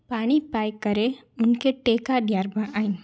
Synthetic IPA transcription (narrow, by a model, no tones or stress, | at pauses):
paːɽ̃ipaːjkɐɾe | ʊnkeʈeːkaɖjaːɾbãʔaːĩ